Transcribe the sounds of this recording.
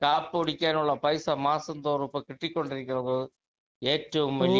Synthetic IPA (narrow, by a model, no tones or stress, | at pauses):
kaːpːɯɔɽɪkʲːaːnɯɭːɐpɐɪsɐmaːsɐnd̪oːɾɯpːɐkɪʈːɪkːɔɳɖɪɾɯkʲːɪɾɐðɯ | eːʈɾɯmʋɐl